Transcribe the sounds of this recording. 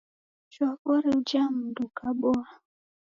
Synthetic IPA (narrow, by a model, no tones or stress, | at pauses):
t͡ʃwakɔɾiud͡ʒam̩dukaɓɔa